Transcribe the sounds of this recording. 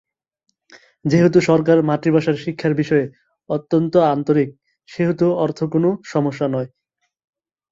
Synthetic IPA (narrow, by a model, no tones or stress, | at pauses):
d͡ʑeɦot̪uʃɔɾkaɾmaʈɾibaʃaɾʃikʰːaɾbiʃɔe | ot̪ːont̪oant̪oɾik̚ | ʃeɦot̪uɔɾt̪ʰokonoʃɔmoʃːanɔe